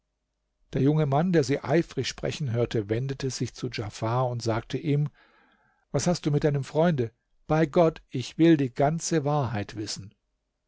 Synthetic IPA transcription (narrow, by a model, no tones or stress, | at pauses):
d̥eːɐjʊŋəmandeːɐziːʔa̰ɪfʁ̥ɪçʃpʁ̥ɛ̰çn̩ɦøːɐtʰəvɛndətʰəz̥ɪçt͡sud͡ʒafaɐʊntz̥aːk̚tʰəʔiːm | vashast̚d̥uːmɪtd̥aɪnəmfʁ̥ɔʏndə | b̥aɪɡɔtʔɪçv̥ɪldiːɡant͡səvaːɐɦaɪtv̥ɪsn̩